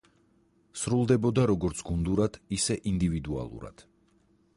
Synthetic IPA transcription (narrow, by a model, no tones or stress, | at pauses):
sɾulˠd̪ɛbɔd̪aɾɔɡɔɾt̪sʰɡund̪uɾad̪ʰisɛʔind̪ivid̪ua̰lˠṵɾa̰d̪̥